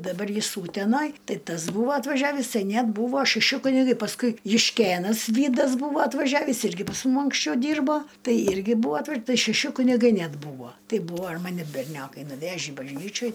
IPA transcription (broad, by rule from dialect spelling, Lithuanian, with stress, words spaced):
dɐˈbɐr ˈjɪs ˈuːtʲɛnɐj ˈtɐɪ ˈtɐs ˈbuːʋɐ ɐtʋɐˈʒʲæːʋʲiːs ˈtɐɪ ˈnʲɛt ˈbuːʋoː ʃʲɛˈʃʲɪ kʊnʲɪˈɡɐɪ pɐsˈkʊɪ jʊʃʲˈkʲeːnɐs ˈʋʲiːdɐs ˈbuːʋoː ɐtʋɐˈʒʲæːʋʲiːs ˈɪrʲɡʲɪ pɐs ˈmʊm ɐŋksʲˈt͡ʃʲɛʊ ˈdʲiːrboː ˈtɐɪ ˈɪrʲɡʲɪ ˈbuːʋɐ ɐtˈʋɐ ˈtɐɪ ʃʲɛˈʃʲɪ kʊnʲɪˈɡɐɪ ˈnʲɛt ˈbuːʋoː ˈtʲɛɪ ˈbuːʋoː ɪr ˈmɑːnʲɪ bʲɛrʲˈnʲoːkɐɪ nʊˈʋʲæːʒʲiː bɐʒʲˈnʲiːt͡ʃʲoːj